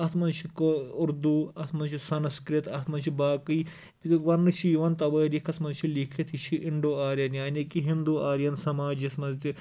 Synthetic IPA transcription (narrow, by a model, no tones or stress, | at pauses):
ɐt̪ʰmɐnt͡ʃʰikoʊɾd̪uːɐt̪ʰmɐnt͡ʃʰisɐnskɾit̪ʰɐt̪ʰmɐnt͡ʃʰibaːkɨj̪ | ʋɐnːɨt͡ʃʰijiʋɐnt̪ɐʋɐːɾikʰɐsmɐnt͡ʃʰilikʰit̪ʰit͡ʃʰiʔɪɳɖoːaːɾjɐnjaːnikiɦind̪uaːɾjɐnsɐmaːd͡ʒismɐnzt̪i